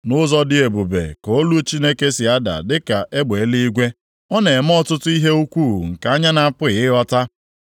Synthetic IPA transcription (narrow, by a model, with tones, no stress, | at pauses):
nʊ˦zɔ˦dɪ˦e˨bu˨bḛ˨ko˨˦lu˦t͡ʃi˦ne˦ke˦si˨a˦da̰˨dɪ˦ka˨ʔe˦ɡ͡be˨˦li˦i˦ɡʷe˦ | ɔ˦ne˨m̩˦ɔ˦tʊ˦tʊ˦i˦ɦe˦u˦kʷu˦˨ŋ̩˨ka˨a˦ɲa˦na˨˦˨pʊ˦˨ɪ˦ɔ˦ta˦